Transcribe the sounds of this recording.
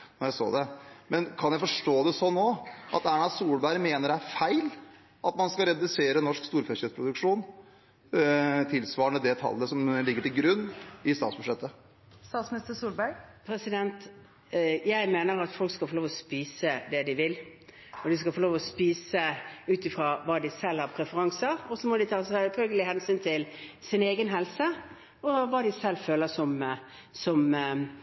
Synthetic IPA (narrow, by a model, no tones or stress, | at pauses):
nɔɾjæɪso̰ːd̪ɛmɛnkʰɑnjæɪfɔʂʈoːd̪ɛsɔnːoːʔɑ̰t̪æːɳɑsuːlbæɪɾmeːnəɖæɾfæɪl | ʔɑt̪mɑnskɑɾɛd̪ʉseːɾənɔʂkst̪uːɾfɛçəspɾʊd̪ʉkʂuːn | t̪ʰɪlsʋɑːəɳəd̪ɛt̪ʰɑ̰lːəsɔmlɪɡːəʈɪlɡɾʉnːɪst̪ɑːt̪sbʉʂɛt̪ːə | st̪ɑːt̪smnɪst̪əsuːlbæpʰɾɛsɪd̪ɛnt̪ | jæɪmeːnəɾɑt̪fɔlkskɑfɔloːʋɔspiːsəd̪ɛd̪ɪʋɪl | ɔd̪ɪskɑlfɔɾloːʋɔspiːsəʉːt̪ɪfɾɑːʋɑːd̪ɪsɛlːhɑɾpʰɾɛfəɾɑŋsəɾɔsɔmɔd̪ɪt̪ʰɑːsɛt̪fœlɡəlɪhɛnsyːnt̪ʰɪlsɪneːɡənɦɛlsə | ɔʋɑːd̪ɪsɛlːføːləsɔm | sɔm